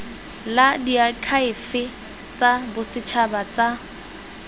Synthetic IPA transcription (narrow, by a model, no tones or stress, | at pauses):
ladiakʰaɪfɪ | t͡sabʊsɪt͡ʃʰabat͡sʼa